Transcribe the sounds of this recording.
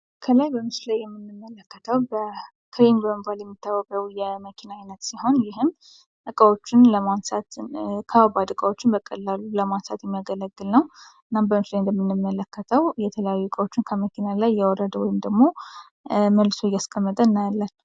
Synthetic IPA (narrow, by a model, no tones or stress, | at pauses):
kʰəlajbəmɨslajːɛmːɨnːɨmːələkːət̪ʰəwbə | kʰɾembəməbaljɛmːit̪ʰːawːəkʼəwjɛməkʰinaajnət̪siho̞njɪɦɨm | ʔɨkʼəwo̞t͡ʃːɪnləmansat̪kʰəabad̪ɨkʼəwo̞t͡ʃːɪnbəkʼəlːaluləmansa̰t̪jɛmːijaɡələɡːɨlnəwʔɨnːambəmɨslajnd̪əmːɨnːɨmːələkʰːət̪ʰəwjɛt̪ʰələjajːuɨkʼəwo̞t͡ʃːɪnkʰəməkʰinalajːɛwɔɾəd̪əwɔjɪmd̪əɡmo̞ | məlːsojaskʰʼəmːət̪ʼəɨnːajalːanː